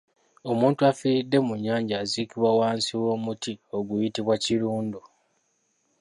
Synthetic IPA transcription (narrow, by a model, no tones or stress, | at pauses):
o̞muːntuafiɾidːe̞muɲːaːɲɟaːzikiβwawaːnsiwo̞ːmutio̞ɡujitiβwaciluːndu